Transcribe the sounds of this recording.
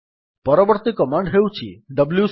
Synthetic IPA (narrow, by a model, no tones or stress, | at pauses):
pɔɾɔbɔɾt̪ikɔmãɳɖɦewt͡ʃʰḭɖəblju